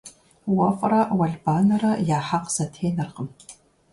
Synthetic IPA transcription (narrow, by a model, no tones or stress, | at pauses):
wɐfʼrɐwɐɮbaːnɐrɐjaːħaqsɐtʰeːnɐrqəm